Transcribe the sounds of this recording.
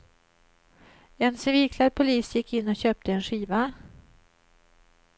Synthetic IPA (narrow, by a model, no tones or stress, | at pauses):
ɛnsɛviːkʰlaɾpʰʊliːsjɪkʰːɪnːɔɕøːp̚t̪əɛnɧiːva